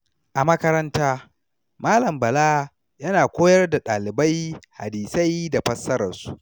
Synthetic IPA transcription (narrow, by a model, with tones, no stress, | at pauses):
ʔa˨mɐ˦kɐ˦ɾɐ˦ntaː˦ | maː˦lɐ˨mbɐ˨laː˦ | jɐ˦naː˨kʷoː˦jɐ˦rda˨ɗaː˨lɪ˨ba˦jha̰˨diː˨sa˦jda˨ɸɐ˦sːɐ˦ɾɐ˨rsu˦ʔ